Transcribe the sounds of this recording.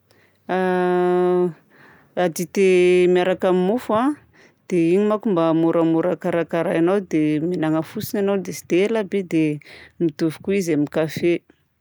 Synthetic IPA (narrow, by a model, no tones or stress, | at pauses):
a | ad̪it̪emiaɾakamimufa | d̪̥eiɲimakumbamuɾamuɾakaɾakaɾajanawd̪emenaŋəfusinanawd̪esi̥t̪elabed̪emit̪uvi̥kuizamikafe